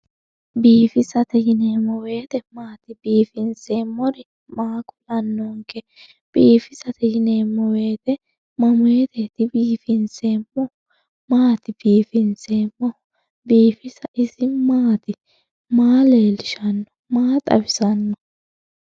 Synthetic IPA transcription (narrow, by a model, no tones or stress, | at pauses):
biːfɪsɐt̪ɛjɪne̞ːmːɔwe̞ːt̪ɛmaːt̪ɪbiːfɪnse̞ːmːɔɾɪ | maːkʊlɐnːɔŋkɛ | b̥iːfɪsɐt̪ɛjɪne̞ːmːɔwe̞ːt̪ɛ | mɐmʊeːt̪ɛt̪ɪbiːfɪnse̞ːmːɔ | maːt̪ɪb̥iːfɪnse̞ːmːɔ | biːfɪsɐʔɪsɪmaːt̪ɪ | maːle̞ːlɪʃɐnːɔ̥maːt̪ʼɐ̰bɪsɐnːɔ